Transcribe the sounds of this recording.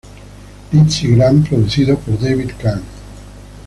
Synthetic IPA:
it͡ʃiɡɾampɾod̪ut͡ʃiðopoɾd̪ebid̪kan

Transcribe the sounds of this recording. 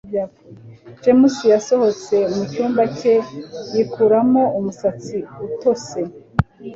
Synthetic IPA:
japd͡ʒemusijasoho̞t͡se̞mucuːmbacejikuɾamo̞umusat͡siuto̞se̞

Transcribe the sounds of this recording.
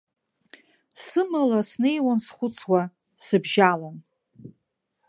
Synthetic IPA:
sɨmalasne̞jwansχʷʊt͡sʰwa | sɨbʒalan

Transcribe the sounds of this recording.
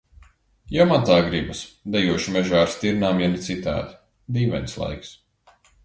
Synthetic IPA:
jawmant̪aːɡɾibasd̪ɛjuɔʃimɛʒaːɾst̪ʲiɾnaːmjanɛt̪sit̪a̰ːt̪ | d̪iːvɛ̰jnslˠa̰jks

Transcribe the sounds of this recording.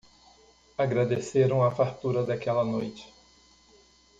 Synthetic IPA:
aɡɾad̪eseɾɐ̃w̃ɐfaɾt̪uɾɐd̪ɐkɛlɐnojt͡ʃɪ̥

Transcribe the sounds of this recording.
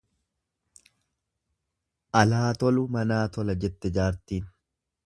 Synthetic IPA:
ʔɐlaːt̪ɔlʊmɐnaːt̪ɔlɐd͡ʒɛt̪ːɛd͡ʒaːɾt̪iːn

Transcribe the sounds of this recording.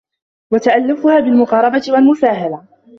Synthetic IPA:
wat̪aʔalːʊfʊhaːbɪlmʊqɑːɾˤɑbat̪ɪwalmʊsaːɦala

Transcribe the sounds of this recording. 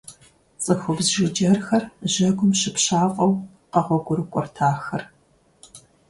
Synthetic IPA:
t͡sʼɨxʷʊbzʒɪd͡ʒɐrxɐrʑɐɡʷʊmʃɪpɕaːqʷʼɔw | qɐʁʷɔɡʷʊɾɨkʷʼɔrtʰaːxɐr

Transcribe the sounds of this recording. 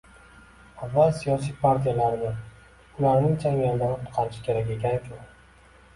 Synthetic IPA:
avːalˠsijɒsijpʰaɾt̪ʰijalaɾɪnɪ | ʊlaɾnɪŋt͡ʃʰamijalɪd̪anʊt̪qʰɑlɪʃɪ̥kʲʰe̞ɾakʲe̞kʲʰankʲʰʊ

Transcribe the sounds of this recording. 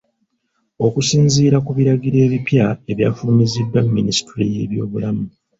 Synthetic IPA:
o̞kusiːnziːɾakuβiɾaɡiɾe̞ːβipjae̞βjaːfuːmizidːwamːinisi̥tɾije̞̰ːβjo̞ːβulamu

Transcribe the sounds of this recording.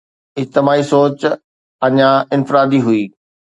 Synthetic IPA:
ɪd͡ʑt̪ɪmaːisoːt͡ɕ | ɐɲãɪnfɪɾaːd̪iɦʊiː

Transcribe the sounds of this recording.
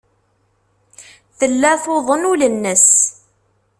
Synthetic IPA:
θəlːæθoðˤənulənːəs

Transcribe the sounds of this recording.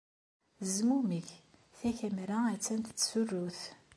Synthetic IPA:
zmuməçθæçæmɾaæt͡sːænt̪ə̥t͡sːsurːuθ

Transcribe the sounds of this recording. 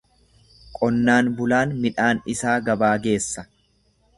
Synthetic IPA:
kʼɔnːaːnbʊlaːnmɪᶑaːnɪsaːɡɐbaːɡe̞ːsːɐ̥

